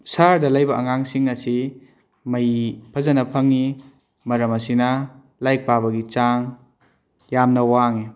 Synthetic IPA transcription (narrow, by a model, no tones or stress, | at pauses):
saɾdɐlajbɐɐŋaŋsiŋɐsi | mɐjpʰɐzɐnɐpʰɐŋːi | mɐɾɐmɐsinɐ | lajk̚pabɐɡit͡ʃaŋ | jamnɐwaŋi